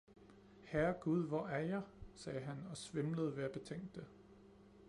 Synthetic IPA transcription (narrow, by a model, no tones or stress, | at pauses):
hæɐɡ̥uð̞ˠʋɒæɐjɑ̈ɪsɛːɦænɒ̽sʋemləð̞̩ˠʋe̝æb̥e̝t͡sʰeŋ̰d̥ːe